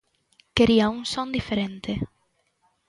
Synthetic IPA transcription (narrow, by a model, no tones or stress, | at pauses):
keɾiaunsɔ̃nd̪ifeɾent̪e